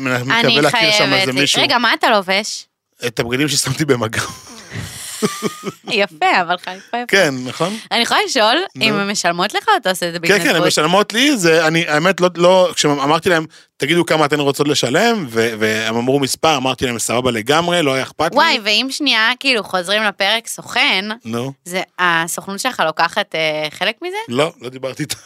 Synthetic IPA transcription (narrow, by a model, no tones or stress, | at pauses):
mmeankaieleaːkiʁʃamazemmiʃuʁeɡamaːt̪aloveʃ | et̪ab̚ɡad̪imʃesamt̪ibemaɡa | jafeavalχaajakenːaχo̞nanioajaliʃo̞lnimemeʃalmo̞t̪leχaat̪aosedzebikekenemeʃalmo̞t̪lizeaniʔaemet̪lolo̞kʃeamaʁt̪ilahe̞m | t̪aɡid̪ukamaːt̪emʁot͡so̞t̪le̞ʃale̞mveveemamʁumispaʁamaʁt̪ilaemsababale̞ɡamʁe̞loajaeχpat̪waajveimʃniakiːluχo̞zʁimlape̞ʁeksoχennuzeasoχnut̪ʃelχalo̞kaχat̪eχe̞lekmizelo̞lo̞d̪ibaʁt̪iːt̪ʰḁ